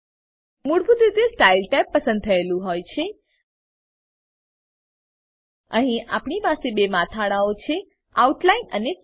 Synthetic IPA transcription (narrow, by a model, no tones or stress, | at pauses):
muɽbud̪id̪esʈailʈɛpːəsə̃nd̪̚t̪ʰəelũɦojt͡ʃʰe | əɦĩʔapɳipasebemat̪ʰaɽaot͡ʃʰe | auʈlainəne